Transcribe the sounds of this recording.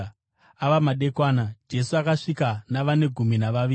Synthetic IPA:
aʋamaɗe̞kwaːnad͡ʒe̞suakaʂikanaʋane̞ɡʱuminaʋaʋiː

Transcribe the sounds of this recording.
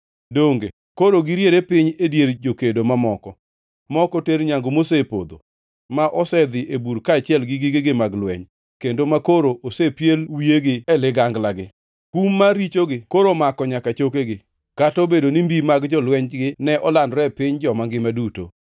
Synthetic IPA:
doŋɡḛ | koɾoɡɪɾjeɾepɪɲedjeɾd͡ʒokedomamɔkɔ | mɔkɔteɾɲaŋɡomosepo̰d̪o̰ | maʔɔsɛd̪ɪʔebuɾkaːt͡ʃɪɛlɡɪɡɪɡɪɡɪmaɡlwɛ̰ɲ | kendomakoɾoʔosepjelwieɡɪɛlɪɡaŋɡlaɡɪ | kumːaɾit͡ʃoɡɪkoɾomakɔɲakat͡ʃokeɡɪ | katobedonimbimaɡd͡ʒɔlwɛɲɡɪnɛʔɔlandɾɛpɪɲd͡ʒɔmaŋɡɪmaduto̰

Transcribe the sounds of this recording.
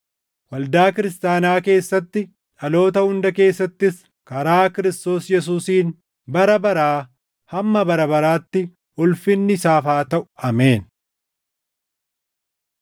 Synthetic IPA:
wɐld̪aːkɪɾɪst̪aːnaːke̞ːsːɐt̪ːɪ | ᶑɐlo̞ːt̪̬ɐhʊnd̪ɐke̞ːsːɐt̪ːɪs | kɐɾaːkɪɾɪst̪o̞ːsjɛs̬uːsiːn | bɐɾɐbɐɾaː | hɐmːɐbɐɾɐbɐɾaːt̪ːɪ | ʊlfɪnːɪsaːfaːt̪ɐʔʊ̥ɐme̞ːn

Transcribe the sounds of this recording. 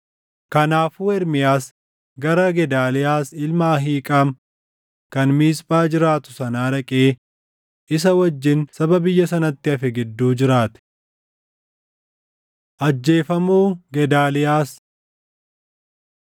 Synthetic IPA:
kɐnaːfuːɛɾmɪjaːs | ɡɐɾɐɡɛd̪aːlɪjaːsɪlmaːɦiːkʼaːm | kɐnmiːspʼaːd͡ʒɪɾaːt̪ʊ̥sɐnaːɾɐkʼeː | ʔɪs̬ɐwɐd͡ʒːɪnsɐbɐbɪjːɐs̬ɐnɐt̪ːɪɐfɛɡɪd̪ːuːd͡ʒɪɾaːt̪ɛ̥ | ʔɐd͡ʒːe̞ːfɐmuːɡɛd̪aːlɪjaːs

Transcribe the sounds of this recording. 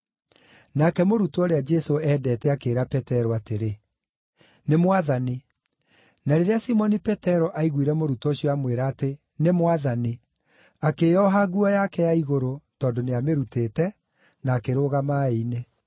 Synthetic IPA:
nakɛmoɾutoɔɾead͡ʒɛsoɛːdɛːtɛakeːɾapɛtɛɾɔateɾe | nemwaðani | naɾeɾeasimɔnipɛtɛɾɔʔaiɣwiɾɛmoɾutɔɕijɔamweɾaːte | nemwaðani | akejɔɦaɣuɔjakɛjaiɣoɾotɔːndoneameɾuteːtɛ | naːkeɾoːɣamaeine

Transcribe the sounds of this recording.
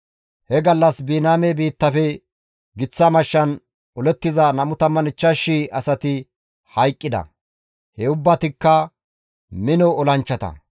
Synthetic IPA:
hɛɡɐlːɐsbiːnaːmebiːt̪ːɐfɛ | ɡɪt͡sːɐmɐʃːɐn | ɔlɛt̪ːɪzɐnɐmʊt̪ɐmːɐnɪt͡ʃːɐʃːiʔɐsɐt̪ɪ | hɐjkʼːɪd̪ɐ̰ | hɛʊbːɐt̪ɪkːɐ | mɪnɔɔlɐnt͡ʃːɐt̪ɐ̰

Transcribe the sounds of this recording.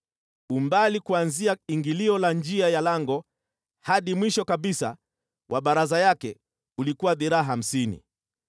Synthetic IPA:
umbalikuanziaiŋɡiliɔland͡ʒiajalaŋɡɔ | haɗimwiʃɔkaɓisa̰ | wʔaɓaɾazajakɛ | ulikuwaðiɾaaɦam̩sinḭ

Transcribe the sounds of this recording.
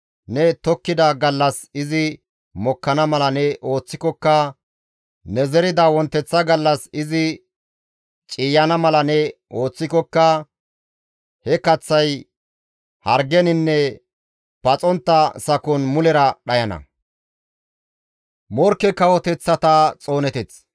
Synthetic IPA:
nɛt̪ɔkːɪd̪ɐɡɐlːɐsɪzɪ | mɔkːɐnɐmɐlɐnɛʔo̞ːt͡sːɪkɔkːɐ | nɛzɛɾɪd̪ɐwɔnt̪ːɛt͡sːɐɡɐlːɐsɪzɪ | t͡ʃʼiːjɐnɐmɐlɐnɛʔo̞ːt͡sːɪkɔkːɐ | hɛkɐt͡sːɐj | hɐɾɡɛnɪnːɛ | pɐt͡sʼɔnt̪ːɐsɐkɔnmʊlɛɾɐɗɐjɐnɐ̰ | mɔɾkːɛkɐwɔt̪ɛt͡sːɐt̪ɐt͡sʼo̞ːnɛt̪ɛt͡s

